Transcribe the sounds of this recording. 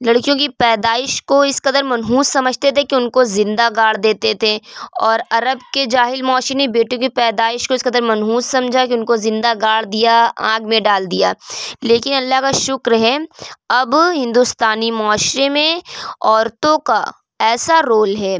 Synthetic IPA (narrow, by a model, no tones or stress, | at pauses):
lɐɽkijõkipɛːd̪aːɪʃkoɪskɐd̪əɾmɐnɦuːssɐməd͡ʒʱt̪et̪ʰekiʊnkozɪ̃nd̪aɡaːɽ̤d̪eːt̪et̪ʰeɔːɾɐɾəbked͡ʒaːɦɪlmɔːʃemẽbeːʈjõkipɛːd̪aːɪʃkoɪskɐd̪əɾmɐnɦuːssɐmd͡ʒʱakiʊnkozɪ̃nd̪aɡaːɽ̤d̪ijaã̰ːɡmẽɖaːld̪ijaːleːkɪnɐlːaɦkaʃʊkɾɦɛɐbɦɪ̃nd̪ust̪aːnimɔːʃɾemẽɔːɾt̪õka | ɛːsaɾoːlɦɛː